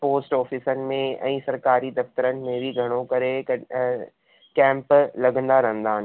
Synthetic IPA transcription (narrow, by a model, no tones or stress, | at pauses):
poːsʈɔːfisənɪ̆mẽɛ̰̃ːsɐɾkaːɾid̪ɐft̪əɾənɪ̆mẽbʱiɡʱɐɽ̃okɐɾeɐ | kɛ̃ːmplɐɡʱə̃nd̪aɾɐɦə̃nd̪aːɦən